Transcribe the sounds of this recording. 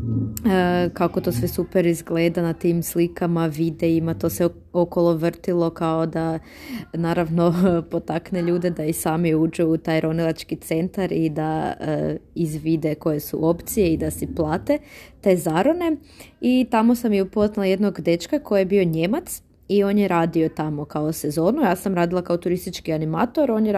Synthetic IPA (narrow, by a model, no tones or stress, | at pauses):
əkakot̪o̞sʋe̞supeɾizɡle̞ːd̪anat̪imslikamaʋid̪eimat̪o̞ːse | okolˠoʋr̩t̪ilˠo̞kaod̪a | naːɾaʋno̞pot̪akneʎuːd̪ed̪aisaːmiud͡ʒuut̪aːjɾo̞nilˠat͡ʃkit̪se̞nt̪aɾid̪aə̰izʋid̪e̞ko̞je̞sṵʔo̞pt̪sijeid̪asɛplˠaːt̪e̞t̪e̞ːzaɾone̞ | it̪amo̞samjeupo̞znilˠaje̞d̪no̞ɡd̪e̞t͡ʃkako̞jijebio̞ɲe̞mat̪s | io̞ːnjeɾaːd̪io̞t̪amo̞kaose̞zo̞ːnujaːsamɾaːd̪ilˠakaot̪uɾist̪it͡ʃkianimaːt̪o̞ɾo̞nje